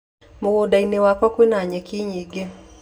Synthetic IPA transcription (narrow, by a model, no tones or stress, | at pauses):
muɣɔɗainiwakwakwinaɲɛkiɲiɡɛ